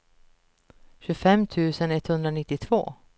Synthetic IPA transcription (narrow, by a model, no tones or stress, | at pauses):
ɕɵfɛmːt̪ʰʉ̟ːsənɛt̪hɵnd̪ɾanɪt̪ːɪt̪ʰv̥o̰ː